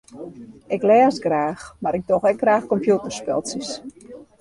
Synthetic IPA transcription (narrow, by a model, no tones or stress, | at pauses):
ɪklɛːsɡraːxmaɾɪk̚dɔxɛk̚ɡraːxkɔmpjutərspɛ̰lˠsis